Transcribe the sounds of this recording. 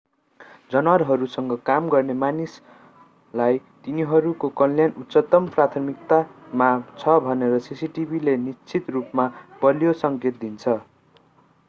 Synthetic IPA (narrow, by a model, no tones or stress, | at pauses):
d͡zʌnwaɾɦʌɾusʌŋɡʌkamɡʌrnemanis | lajt̪iniɦʌɾukokʌnljanut̪ːsʌt̪ʌmprat̪ʰʌmik̚t̪amat͡sʰʌbʱʌneɾʌsisiʈibʱilenist͡sʰit̪rupmabʌlijosʌŋket̪̚d̪int͡sʰʌ